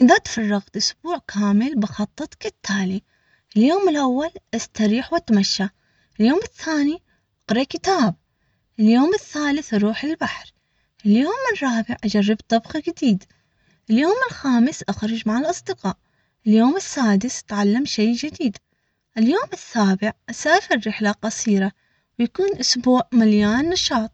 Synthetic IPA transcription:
ʔɪðat̪fɑrˤːɑɣt̪ʔʊsbuːʕkʰaːmɪlbɪxɑt̪ˤːɨt̪ˤkɪt̪ʰːaːli | ʔɪljoːmɪlʔawːalʔast̪aɾiːħwat̪maʃːa | ɪljoːmɪθːaːni | ʔɑqɾˤɑkɪt̪aːb̚ | ʔɪljoːmɪθːaːlɪθʔɾˤuːħɪlbaħɾ | ʔɪljoːmːɪrˤːɑːbɪʕʔad͡ʒarːɪbt̪ˤɑbxd͡ʒɪd̪iːd̪ | ʔɪljoːmɪlxaːmɪsʔaxɾˤʊd͡ʒmaʕɪlʔɑsˤd̪ɪqɑːʔ | ʔɪljoːmɪsːaːd̪ɪst̪ʕalːamʃejd͡ʒɪd̪iːd̪ | ʔɪljoːmɪsːaːbɪʕʔasaːfɪɾɾɪħlaqɑsˤiːɾa | wjakuːnʔʊsbuːʕmaljaːnːɑʃɑːt̪ˤ

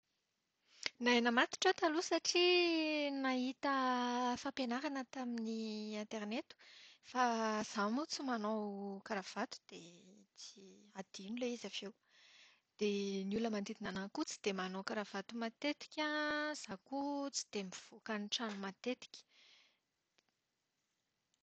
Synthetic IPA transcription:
naenəmat̪i̥ʈ͡ʂot̪alusaʈ͡ʂi | naɦit̪əfapenaɾanət̪aminiant̪eɾnet̪u̥faz̥amot͡simanokaɾav̥at̪u̥d̪̥et͡si̥ad̪̥inuleizavew | d̪̥enuləmand̪id̪inanakut͡si̥d̪̥emanokaɾav̥at̪umat̪et̪i̥kʲaz̥akut͡si̥d̪̥emiv̥okanʈ͡ʂanumat̪et̪i̥kʲi̥

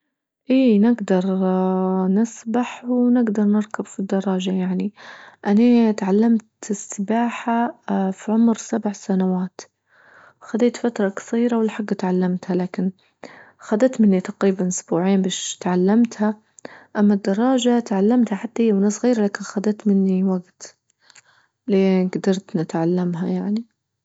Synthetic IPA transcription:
ʔiːnɪɡd̪ɑɾˤ | nɪsbaħwnɪɡd̪ɑɾˤnɪɾkabfid̪ːɑrˤːɑːʒajaʕniʔanat̪ʕalːamt̪ɪsːɪbaːħafiʕʊmɾsabʕsanawaːt̪ | xad̪eːt̪fat̪ɾˤɑkɑ̥sˤiːɾawɪlːħaɡːt̪ʕalːamt̪halaːkɪn | xad̪at̪mɪnːit̪ɑqɾiːbanʔʊsbuːʕiːnbaːʃt̪ʕalːamt̪ha | ʔamːad̪ːɑrˤːɑːʒat̪ʕalːamt̪haħat̪ːahijːawnaːsˤɣiːɾalaːkɪnxad̪aːt̪mɪnːiwaɡt̪ | leːɡd̪ɑɾˤt̪nɪt̪ʕalːamɦajaʕni

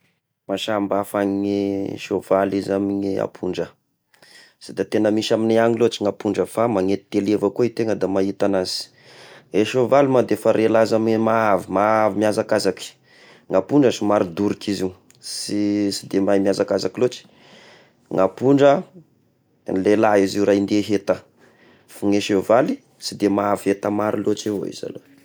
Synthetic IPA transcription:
maʃambafaɲɲiʃovalizamiɲia̰pʰuɳɖ͡ʐə | sid̪at̪enəmiʃamineaŋilot͡ʃiŋapuɳɖ͡ʐəfamaŋet̪it̪elevəkoit̪eŋəd̪amait̪anaz̥i̥ | eʃovalimad̪efaɾʔelazamimaavimaavimiazakazaki̥ | ŋapuɳɖ͡ʐəsimaɾid̪uɾikiziu | sisid̪emajmjazakazakilot͡ʃi̥ | ŋapuɳɖ͡ʐə | nlelaiziuɾajnd̪eɦet̪ə | fuŋeʃevali | sid̪emaaviet̪əmaɾilot͡ʃivo̰ḭz̥a̰lo̰

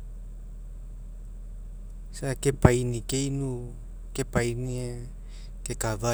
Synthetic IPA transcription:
sakepajnikejnu | kepajnie | kekava

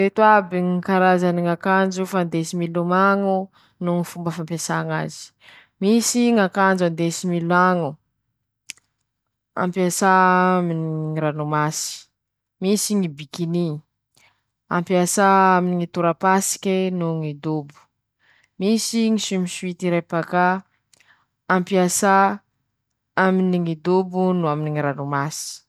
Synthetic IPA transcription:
ɾet̪uabiŋikaɾazaniŋakand͡ʒufand̪esimilumaŋu | nuŋifumbəfampasaŋa̰zi̥ | misiŋakand͡ʒand̪esimilaŋu | a̰mpjasaminiiɾanumasi̥ | misiŋibikini | a̰mpiasaaminiŋit̪uɾapasi̥kʲenuŋid̪ubu̥ | misiŋisimiʃuit̪iɾepaka | ampiasa | aminiŋid̪ubunuaminiŋiɾanumasi̥

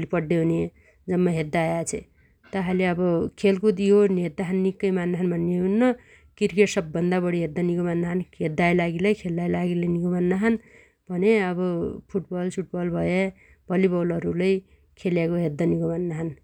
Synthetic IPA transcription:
lepʌɖːeune | d͡zʌmːʌɦed̪ːajat͡sʰḛ | t̪ʌɦaleʌbʌkʰelkud̪joned̪ːaɦʌnːikːʌjmanːaɦʌnmanːeɦunːʌ | kirkeʈsʌbːʌnd̪abʌɽiɦed̪ːaniɡomanːaɦʌnɦed̪ːajlaɡilʌjkʰelːajlaɡilʌjniɡomanːaɦʌn | bʱʌneʌβʌpʰuʈbʌlsʰuʈ̚bʌlbʱʌje | bʱʌlibʌwlʌɾulʌj | kʰeljakoɦed̪ːaniɡomanːaɦʌn

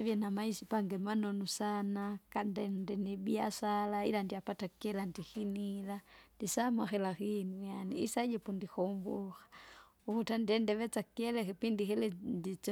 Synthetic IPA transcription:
ʋjɛnamaisipaŋɡɛmanɔnusanakandɛndɛnɛɓiasalaḭlandiapatakiɛlandixinilandisamaxɛlaxinujaniḭsad͡ʒɛpundixɔmbuxḁ | ukutandɛndɛʋɛt͡sakiɛlɛkipindixɛlɛndit͡s

